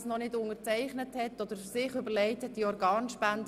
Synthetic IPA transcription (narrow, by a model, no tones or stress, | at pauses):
snɔnɪdʊnət͡sɛɪχnəthɛtːɔd̥̪əɾsɪχʏbəɾlɛɪtəd̥iɔɾɡɑːnʃpænd